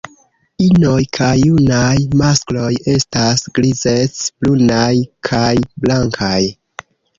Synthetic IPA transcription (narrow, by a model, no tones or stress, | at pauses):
ino̞jkʰajːunajmasklo̞je̞stasɡ̥lize̞t͡sb̥lunajkʰajblaŋkʰaj